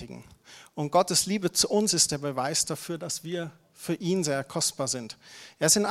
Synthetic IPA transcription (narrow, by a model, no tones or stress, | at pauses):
ɪɡŋ̩ʔʊnt̚ɡ̥ɔtəsliːbət͡suʔʊnsɪst̚d̥eːɐbəvaɪsd̥afyːɐdasv̥iːɐ | fyːɐʔiːnzeːɐkʰɔstb̥aːɐzɪntʔeːɐɪstɪnʔ